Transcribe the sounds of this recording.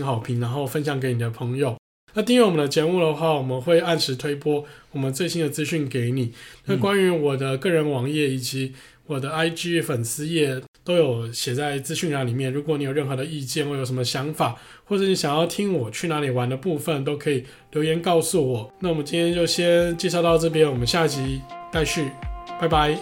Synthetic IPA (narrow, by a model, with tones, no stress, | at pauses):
nxɑ˨˩ʊpʰi˧˥ŋna˧˥nxo˥˩ʊfə˦˥nɕjɑ˨˩ŋke˧˥ɪni˨˩d̪ə˩pʰɤ˧˥ŋjo˨˩˦ʊ | na˥˩t̪̬i˥˧ŋɥɛ˥˩wɔ˨˩ənd̪ə˧t͡ɕjɛ˧˥mu˥˩d̪ə˩xwa˥˩wɔ˨˩mə˦nxwe˥˧ɪa˥˩nʂʰɻ̩˧˥t̪ʰwe˥ɪpwɔ˥wɔ˨˩mə˨˦t͡swe˥˩ɪɕi˦˥nd̪ə˨t͡sɹ̩˥ɕy˥˩nke˧˥ɪni˨˩na˥˨kwa˥ny˧˥wɔ˨˩d̪ə˦kɤ˥˩ɻə˧˥nwɑ˧˥ŋjɛ˥˩i˨˩t͡ɕi˧˦ | wɔ˨˩d̪ə˦a˥ɪʈ͡ʂi˥˩fə˨˩nsɹ̩˥jɛ˥˩t̪o˥ʊjo˨˩˦ʊɕjɛ˨˩t͡sa˥˩ɪt͡sɹ̩˥ɕy˥˧nʂɑ˥˩ŋli˨˩mjɛ˥˩nɻu˧˥kwɔ˧˥ni˨˧˥jɻə˥˩nxɤ˧˥d̪ə˧i˥˧t͡ɕjɛ˥˩nwjʊʂ̬mə˧ɕjɑ˧˥ŋfa˨˩ | xwɔ˥˩ʈ͡ʂɤ˧˩˦ni˧˥˩ɕjɑ˨˩ŋjɑ˥˩ʊt̪ʰi˥ŋwɔ˨˩t͡ɕʰy˥˩na˧˥li˨˩wa˧˦nd̪ə˧pu˥˧fə˨nt̪̬o˥ʊkʰɤ˧˥i˨˩ | ljo˧˥ʊjɛ˧˥nkɑ˥˧ʊsu˥˩wɔ˨˩na˥˩wmə˦nt͡ɕi˥nt̪ʰjɛ˥nt͡ɕjo˥˩ʊɕjɛ˥nt͡ɕjɛ˥˧ʂɑ˥˧ʊt̪ɑ˥˧ʊʈ͡ʂɤ˥˩p̬jɛ˥nwɔ˨˩mə˦nɕja˥˩t͡ɕi˧˥ta˥˧ɪɕy˥˩pa˥˩ɪba˧˦ɪ